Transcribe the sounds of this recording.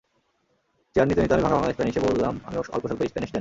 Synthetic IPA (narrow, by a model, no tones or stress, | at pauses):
t͡ɕaɾnit̪onit̪oamibʱaŋabʱalad̪eʃpaniʃebolːama̰miɔ̰lpoʃalpoiʃt̪aniʃd͡ʑan